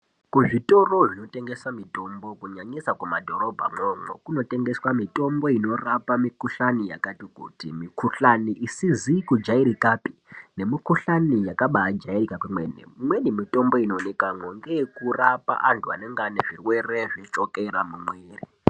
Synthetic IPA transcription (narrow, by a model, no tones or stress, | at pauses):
kuʐito̞ro̞ʐino̞te̞ŋɡesamito̞mbo̞kuɲaɲisakumadʱo̞ɾo̞bʱa̰momo̰kuno̞te̞ŋɡe̞swamito̞mbo̞ino̞rapamikuɬanija̰katikṵtḭmikuɬaniʔisizikud͡ʒaiɾikaːpi̥ne̞mikuɬanijakaɓaːd͡ʒairikakwumwḛnḛmwenimito̞mbo̞ino̞nekamweŋɡekurapa̰ʔantʰua̰ne̞ŋɡaneʐirwe̞reʐet͡ʃokeɾamumweːri